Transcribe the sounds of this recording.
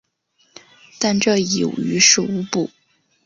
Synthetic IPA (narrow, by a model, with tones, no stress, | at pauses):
t̪a˥˧nʈ͡ʂɤ˥˩i˨˩ṵ˨˩y˧˥ʂɻ̩˥˩u˧˥pu˥˩